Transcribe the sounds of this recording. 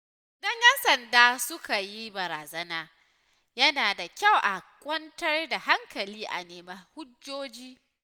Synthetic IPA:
dɐ˦ɲʔɛ˦nsɐ˨ndaː˦sʊ˦kʰa˨ji˦bɐ˨ɾaː˨zɐ˦naː˦ | jɐ˦naː˨da˨kʲa˦˨wʔa˨kʷʼɔ˦ntɐ˦rda˨ha˦ŋkɐ˨liː˦ʔa̰˨neː˨mɐ˦˨hʊ˦d͡ʒːoː˦d͡ʒiː˦

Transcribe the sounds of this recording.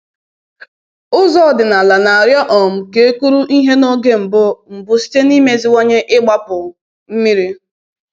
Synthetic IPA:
ʊ˦zɔ˦˨dɪ˨na˨la˨na˨a˨ɾjɔ˦ʔɔ˨m̩˨ke˨˦ku˦ɾu˦ʔi˦ɦe˦no˦ɡe˦m̩˨bʊ˦m̩˨bʊ˦si̥˦te˦ni˦me˦zi˦wo˦ɲe˦ʔɪ˦ɡ͡ba˦pʊ˨ | m̩˦mi˦ɾi˦

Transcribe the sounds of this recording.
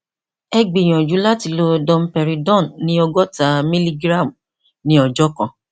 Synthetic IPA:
ɛ˧ɡ͡bi˨j̃ɔ̃˨d͡ʒu˨˦la˦ti˧lo˦dɔ̃˧m̩˦pɛ˧ɾi˨˦dɔ̃˦˨nnĩ˧˦ɔ˧ɡɔ˦ta˨˦mĩ˦li˦ɡɾa˦˨m˨ | nĩ˧˦ɔ˨d͡ʒɔ˦kã˧˨

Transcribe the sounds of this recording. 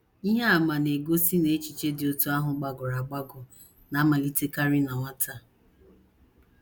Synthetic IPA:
i˦ɦe˦a˨ma˨ne˨ɡo˦si˦ne˨e˦t͡ʃi˨t͡ʃe˦dɪ˨o˦tu˦a˦ɦʊ˨ɡ͡ba˨ɡʊ˨ɾa˨ɡ͡ba˦ɡʊ˨ | na˨˦ma˨li˦te˦ka˦ɾɪ˦na˨ŋʷa˦ta˦˨

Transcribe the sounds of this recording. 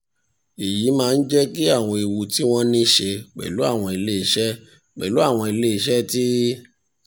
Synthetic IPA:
i˨jiː˨˦mãː˦˧n̩˦d͡ʒɛ˦ki˦a˦˨w̃ɔ̃˧i˨wu˧ti˦w̃ɔ̃˦nĩ˦ʃe˧k͡pɛ̰˨lu˨˦a˦˨w̃ɔ̃˧i˧le˦i˧ʃɛ˦ | k͡pɛ̰˨lu˨˦a˦˨w̃ɔ̃˧i˧le˦i˧ʃɛ˦ti˦

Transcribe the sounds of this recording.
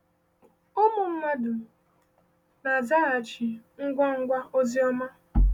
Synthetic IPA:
o˦mʊ˨m̩˦ma˦dʊ˨ | na˨za˦a˨t͡ʃɪ˨ŋ̩˦ɡʷa˦ŋ̩˦ɡʷa˦o˦zi˦ɔ˦ma˦

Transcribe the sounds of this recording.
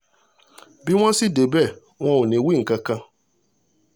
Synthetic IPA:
bɪ˦ŋʷa˦si˦de˨be˦˨ | ŋʷɔ˦wʊ˨ne˨wi˦ŋ̩˨ka˦ka˦

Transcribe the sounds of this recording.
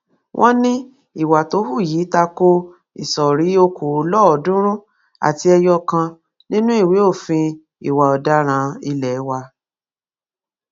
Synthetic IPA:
wʔɔ̃˦nĩ˦ | i˨wa˨to˨˦hu˦˨jiː˨˦ta˧ko˦ | ḭ˨sɔ˨ɾi˨˦o˧ku˨o˨˦lɔ˦ɔ˨˦dũ˦ɾ̃ũ˦ | a̰˨ti˧ɛ˧jɔ˧kã˧ | nĩ˦nũ˦i˦˨we˨˦o˦˨fĩ˧ | i˨wa˨ɔ˨da˨˦ɾ̃ã˨˧˦i˧lɛ˨˦wa˧

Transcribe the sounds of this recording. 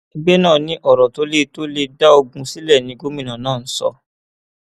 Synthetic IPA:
i˧ɡ͡bɛ˦nãː˦˨nĩ˨˦ʔɔ˦˨ɾɔ˨to˨˦le˦to˦le˧da˦o˧ɡũ˧si˦lɛ˦˨nĩ˧ɡo˦mĩ˨nã˨nãː˦˨n̩˨˦sɔ̰˧

